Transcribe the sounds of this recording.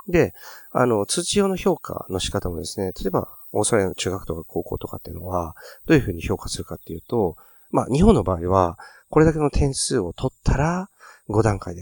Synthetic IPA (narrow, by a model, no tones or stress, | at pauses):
d̪e̞a̰no̞t͡sɨːt͡ɕijo̞ːno̞ço̞ːkʰa̰no̞ɕi̥kat̪amo̞d̪e̞sɨne̞t̪ḁt̪oba̰ | o̞ːsɾano̞t͡ɕɨːɡakɯ̟̥o̞kakʰo̞ːko̞̰ːt̪o̞kat̪ːe̞jɯ̟no̞βad̪̥o̞ːjɯ̟ɸɯ̟ːɲ̟iço̞ːkasɨɾɯ̟kat̪ːe̞jɯ̟ːt̪o̞ | ma̰ɲ̟iɦõ̞nːo̞baːiβako̞ɾe̞d̪akeno̞t̪ʰẽ̞ɰ̃sɨːo̞t̪ʰo̞t̪ʰːaɾaɡo̞d̪ãŋkaid̪e